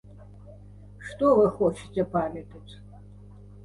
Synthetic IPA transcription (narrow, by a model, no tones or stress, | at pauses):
ʂt̪ɔvɨxɔt͡ʃɪ̥t͡sʲɛpamʲɛt̪ɐt͡sʲ